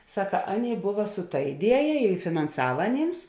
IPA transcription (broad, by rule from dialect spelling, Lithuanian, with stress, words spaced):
ˈsɑːkɐ ˈɑːˌnʲeːɪ ˈbʊʋɐ sʊ tɐ ɪˈdʲiɛjɛ ɪ fʲɪnɐnˈsɑːʋɐ ɐˈnʲeːms